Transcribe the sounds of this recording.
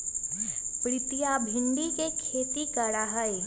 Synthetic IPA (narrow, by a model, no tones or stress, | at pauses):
pɾɪt̪ijabʱɪ̃nd̪ikekʰeːt̪ikəɽaɦəe